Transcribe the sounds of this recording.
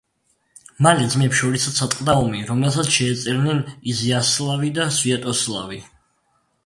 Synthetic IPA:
malɛd̪zmɛpʃɔɾisasʰat̪ʼqʼd̪aɔmiɾɔmɛlˠsat̪sʃɛːt̪sʼɛɾnɛniziaslˠavid̪asviat̪ʼɔslˠa̰vi

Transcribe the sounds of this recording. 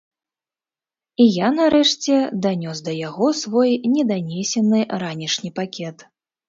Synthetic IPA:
ijanaɾɛʂt͡sʲɛd̪anʲɔsd̪ɐjaɣɔsvɔjnʲɛd̪anʲɛsʲɛnɨɾanʲiʂnʲipakʲɛt̪

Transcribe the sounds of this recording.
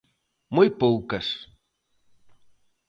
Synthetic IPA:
mujpowkɐs

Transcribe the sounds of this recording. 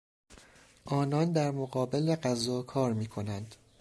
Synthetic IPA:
ʔɒːnɒːnd̪æɾmoɣɒːbe̞leɢæzɒːkʰɒːɾmiːkʰo̞nænd̪̥

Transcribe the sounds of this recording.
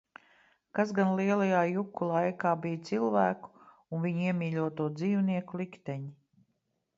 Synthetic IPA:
kazɡanlˠiɛlˠajaːjukːulˠajkaːbijt̪silˠvæːku̥ | unviɲiɛmʲiːlʲuɔt̪uɔd̪ziːwniɛkulˠikt̪ɛɲi

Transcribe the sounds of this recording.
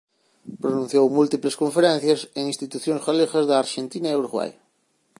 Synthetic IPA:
pɾonũn̟θjowmult̪ipleskoɱfeɾẽn̟θjaseŋĩnst̪it̪uθjõŋsɣolexazðeaɾʃent̪inaewɾɣwa̰j

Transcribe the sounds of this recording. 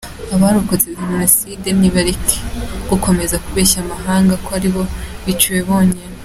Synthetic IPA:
aβaɾukozeiminoside̞niβaɾikʰe̥ɡ̥uko̞me̞zakuβeːʃamaɦaːŋɡakoaɾiβo̞βit͡ʃuje̞βo̞ːɲene

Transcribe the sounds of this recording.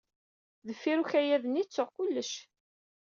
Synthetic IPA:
ðəfːiɾuçæjæðənit͡sːʊʁkʊlːəʃ

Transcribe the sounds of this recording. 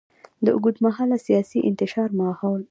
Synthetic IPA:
d̪əʔṵɡud̪maɦɑlasijɑsiʔɪ̰nt̪ɪʃɑɾmɑhɑl

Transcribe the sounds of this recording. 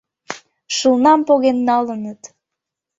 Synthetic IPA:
ʃəlnɑmpoɣenːɑlənət̪

